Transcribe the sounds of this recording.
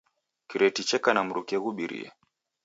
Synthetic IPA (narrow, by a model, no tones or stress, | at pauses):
kiɾɛtit͡ʃɛkanam̩ɾukɛɣuɓiɾḭɛ̰